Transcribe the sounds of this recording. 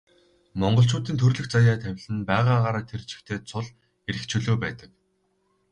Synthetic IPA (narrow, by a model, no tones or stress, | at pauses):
mɔɴɢɞ̆ɬ̬t͡ɕuːt̪iːnt̪ʰɵrɮɵ̆xt͡sajaːt̪ʰæwʲɮɘ̆npæːʁaːʁaːɾaːt̪ʰert͡ɕɪ̥̆xt̪ʰeːt͡sʰʊɮ | eɾɘ̆kt͡ɕʰɵɮoːpæːt̪ə̥̆k̚